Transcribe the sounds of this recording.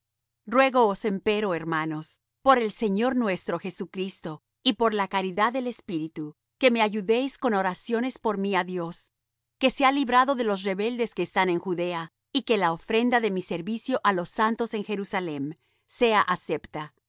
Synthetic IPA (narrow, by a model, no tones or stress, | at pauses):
rwe̞ɣo̞ːse̞mpe̞ɾo̞eɾmano̞s | po̞ɾe̞lse̞ɲo̞ɾnwe̞st̪ɾo̞xe̞sukɾist̪o̞ | ipo̞ɾlakaɾiðaðːe̞le̞spiɾit̪u | ke̞me̞aʝuðe̞jsko̞no̞ɾasjo̞ne̞spo̞ɾmiaðjo̞s | ke̞sealiβɾaðo̞ðe̞lo̞s̬re̞βe̞ld̪e̞ske̞ːst̪ane̞ŋxuðe̞a | ike̞laofɾe̞nd̪aðe̞mise̞ɾβisjo̞ʔalo̞sant̪o̞se̞ŋxe̞ɾusale̞m | se̞aʔase̞pt̪a